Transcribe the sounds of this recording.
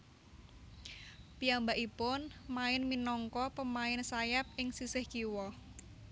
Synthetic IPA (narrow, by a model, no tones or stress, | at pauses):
pijambaʔipʊnmaɪnminɔŋkɔpəmaɪnsajap̚ɪŋsisɪhkiwɔ